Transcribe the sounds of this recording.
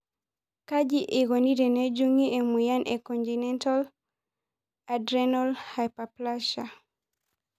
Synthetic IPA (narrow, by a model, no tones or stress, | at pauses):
kad͡ʒiʔeɡoniɾened͡ʒuŋiemujanʔekɔntinɛntal | adɾɛnalhajpaplaʃa